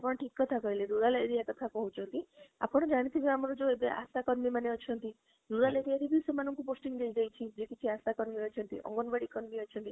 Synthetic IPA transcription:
apɔ̃ɔʈʰikɔt̪ʰakɔɦileɾuɾaleɾijak̪ɔt̪ʰapɔɦut͡ʃʰɔkia̰pɔɽ̃ɔd͡ʒaɽ̃it̪ʰibiamɔɾɔd͡ʒoebea̰sakɔɾmimaneɔt͡ʃʰɔnt̪i | ɾuɾaleɾijaɾibisemanɔŋkuposʈiŋd͡ʒajd͡ʒajt͡ʃʰid͡ʒekit͡ʃʰiasakɔɾmiɔt͡ʃʰɔnt̪ḭʔɔ̰ŋɡɔnbaɽikɔɾmiɔt͡ʃʰɔnt̪i

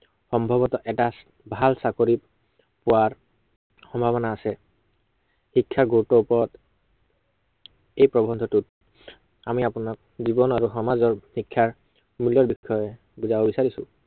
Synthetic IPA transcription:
xɔmbʱɔbɔtɔʔɛta | bʱalsakoɹip | pʊwaɹ | xɔmbʱaβɔnaːsɛ | xikʰːaɡotɔupɔɹɔt | ejpɹɔbʱɔnd̪ʱɔtut | amiapunɔk̚zibɔnaɹuxɔmazɔɹxikʰːaɹ | muljɔɹbikʰːɔɛ | buzabobisaɹisʊ̃

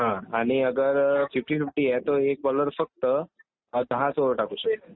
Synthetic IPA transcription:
ɦãaɽ̃iəɡəɾfifʈiːfifʈiːjɛt̪oek̚bɔləɾfək̚t̪ə | d̪ʱəɦãsoɾəʈakusəe

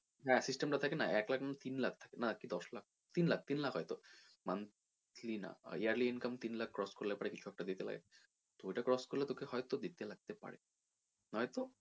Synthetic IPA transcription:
ɦɛ̃sisʈemʈat̪ʰakenaʔɛklakʰnat̪inlak̚ʰt̪ʰḁkenakid̪ɔslak̚ | t̪inlak̚ʰt̪inlakʰɦɔjt̪o | mant̪ʰ | lina̰iaɾliinkɐmt̪inlakʰːɾɔskoɾlepaɽekit͡ɕʰuɛk̚ʈad̪it̪ela̰ɡḛ | t̪ojʈakɾɔskoɾlet̪okeɦɔet̪od̪it̪elaɡ̚t̪epa̰ɽḛ | ɦɔjt̪o

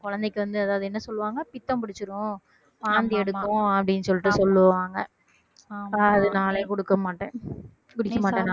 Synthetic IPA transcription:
kɔɻɐnd̪ɛkːɯʋɐnd̪ɯɐðaːʋðɯɛnːɐsɔlːɯʋaːŋɡɐpɪt̪ːɐ̃mpɪɽɪt͡ʃːɯɾʊ̃ | paːnd̪iɛɽɯkːʊ̃ɐpːɐɽɪnːɯsɔlːɪʈːɯsɔlːɯʋaːŋɡɐ | ɐðɯnaːleːkɔɽɯkːɐmaːʈːẽː | kʊɽɪkːɐmaːãːŋ

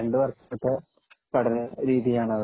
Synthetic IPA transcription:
eɳɖɨʋɐrʂɐ̥ɐt̪ːe | pɐʈɐnɐɾiːðijaːɳɐʋ

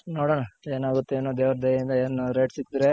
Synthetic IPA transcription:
noːɽoɳae̞ːnaːɡut̪ːeeːnoːd̪eːʋɾɐd̪ʱɐjind̪ɐeːnɾeʈsikːd̪ɾe

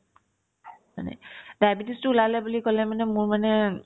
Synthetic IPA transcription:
ma̰nɛ̰dajbitistuulalajbulikɔlɛmanɛmʊɹmanɛ

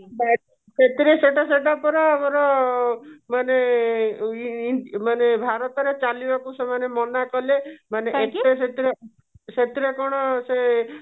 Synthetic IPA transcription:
ba | set̪iɾeseʈaseʈapɔɾɔabɔɾɔ | mane | manebʱaɾɔt̪ɔɾet͡ʃalibakusemanemɔnakɔlemaneet̪eset̪iɾe | set̪iɾekɔɽ̃ɔse

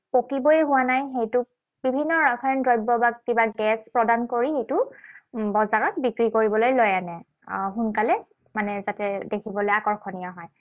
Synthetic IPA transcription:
pokiboeɦʊwanajxejtʊ | bibʱinːɔɹaɡʰɔndɹɔjbɔbakkibaɡɛspɹɔdankoɹixejtʊ | bɔzaɹɔt̚bikɹikoɹibɔlojlojanɛ | ɦʊnkalɛ | manɛzatɛdekʰibɔlojakɔɹkʰɔnijaɦɔj

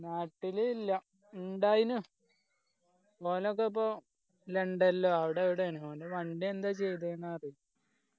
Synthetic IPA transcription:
naːʈːililːɐ | uɳɖaːjinu | poːleok̬ːep̬ːoː | leɳɖelːoɐʋiɽeʋiɽeneonɖeʋɐɳɖeend̪at͡ɕejt̪enːarij

